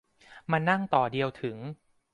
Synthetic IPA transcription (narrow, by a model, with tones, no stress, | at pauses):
ma˧nːa˥˩ŋt̪ɔː˨˩di˧əwt̪ʰɯ˩˦ŋ